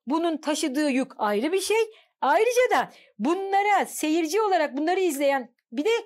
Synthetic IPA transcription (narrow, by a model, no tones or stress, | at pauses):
bununt̪ʰaʃɯd̪ɯːjukajɾɯbiɾʃej | ajɾɯd͡ʒad̪a | bunlˠaɾase̞jiɾd͡ʒio̞lˠaɾak̚bunˠaɾɯizlʲe̞jæn | bid̪ɛ